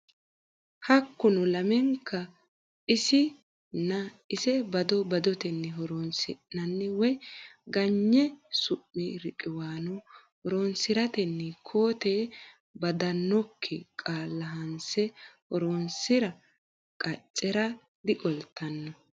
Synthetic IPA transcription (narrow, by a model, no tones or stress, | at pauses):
hɐkːʊnʊlɐmɛŋkːɐ | ʔɪsɪ | nɐɪsɛbɐd̪ɔbɐd̪ɔt̪ɛnːɛɦɔɾɔnsɪʔnɐnːɛwɔjɡɐɲːɛsʊʔːɪɾɪkʼɪwaːnɔ | hɔɾonsɪɾɐt̪ɛnːɛkʰoːt̪e | bɐd̪ɐnːɔkʰːɪkʼaːlːɐɦɐnsɛhɔɾonsɪɾɐ | kʼɐt͡ʃʼːɛɾɐ | d̪ɪkʼɔlt̪ːɐnːɔ